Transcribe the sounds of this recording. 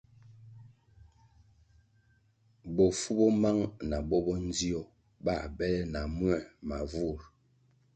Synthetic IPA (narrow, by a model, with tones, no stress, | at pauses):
bɔ˨fu˦bɔ˦ma˦ŋna˨bɔ˦bɔ˦n˦d͡zi˦ɔ˨ | ba˦˨bɛ˦lɛ˦na˨mwɛ˦˨ma˨vu˦˨ɾ